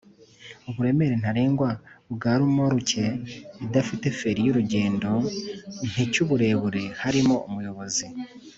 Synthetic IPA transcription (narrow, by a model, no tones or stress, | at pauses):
uβuɾe̞me̞ɾen̥haɾeːŋɡwabɡaːɾumoɾuce̞idafite̞fe̞ɾijuɾuɟe̞ːndo̞n̥icuβuɾe̞ːβuɾe̞haɾimoumujo̞βo̞zi